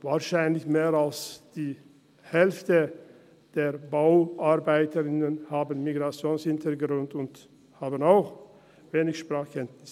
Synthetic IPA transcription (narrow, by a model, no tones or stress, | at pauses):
vaːʃaɪnlɪçmeːʁalsd̥iː | hɛlftə | d̥eːʁbaʊʔaʁbaɪtəʁɪnənhaːbənmiɡʁat͡sjoːnshɪntʰəɡʁʊndʊnt | haːbənaʊx | veːnɪçʃpʁaːχkʰɛntnɪs